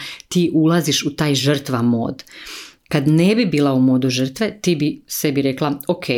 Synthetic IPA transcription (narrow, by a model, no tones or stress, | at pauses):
t̪iːʔulaziʃut̪aːjʒr̩t̪ʋamo̞̰ːd̪kad̪nebibiːlˠaumo̞ːd̪uʒər̩t̪ʋe̞t̪iːbise̞biɾeklˠaokʰe